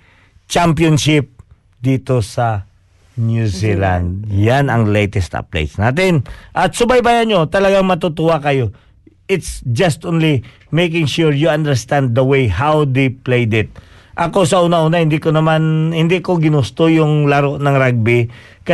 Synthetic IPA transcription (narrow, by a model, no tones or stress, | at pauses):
t͡ʃampjonʃɪp̚ | d̪iːt̪o̞sɐ | njuzila̰nd̪̚janɐŋlejt̪ɛst̪a̰p̚lḛjt̪snaːt̪ɪnʔɐt̪sʊbajbajaɲo̞t̪ɐlɐɡaŋmɐt̪ʊt̪ʊwakɐjo̞ | ɪt̪sd͡ʒɐst̪ʔõnli | mejk̬ɪ̃ŋʃuɹjuãnd̪ɛɹst̪ãnd̪̚ːɐwejɦawd̪ejplejd̪ɪt̪̚ | ʔɐko̞s̬ɐʔuːnɐʔuːnɐhɪnd̪ikonɐmanhɪnd̪ɪʔkoɡɪnʊst̪ojʊŋlɐɾo̞ʔnɐŋɾaɡ̚bɪ | kɐ